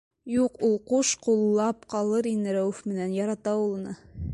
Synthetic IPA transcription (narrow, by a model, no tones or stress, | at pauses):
juqulˠquʃqulˠːɑp̚qɑlˠɤɾind̪ɘɾæwʉfmɘ̆nænjɑɾɑt̪ɑulˠɤ̆nɤ